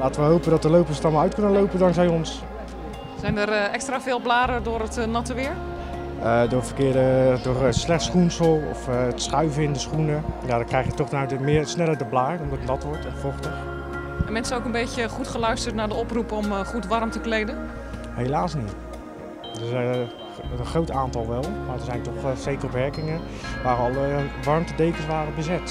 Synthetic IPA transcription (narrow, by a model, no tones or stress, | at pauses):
laːtəʋəɦowpəndɔtdəlowpəsətɔlˠmaœɥtkɵnəlowpəndɑŋksɛjɔns | sɛjndərɛkstraːvɪːlˠblaːɾədʊːɾətnɑtəʋɪːɹ | ədʊːvərkɪːdədʊːrəslɛχtsχunsəlˠɔ̰ftsχœɥvəɪndəsχunəjadɔkrɛjχjətɔχdənaɥtəmɪːrsnɛlˠədəblaːdənɔmdɔtnɑtʋɔɹtɛnfɔχtəχ | ɛnmɛnsənowkənbejcəχutχəlœɥstərtnaːɹdəɔprupɔmχutʋɑrmtəklejdən | hejlaːsnit | dəɛ | ənχrowtaːntɑlˠʋɛlˠmaːɹdəɹzɛjntɔχsejkərɔpʋɛɹkɪŋə | ʋaːrəɑlˠəʋɑrmtədejkəsʋaːrəbəzɪt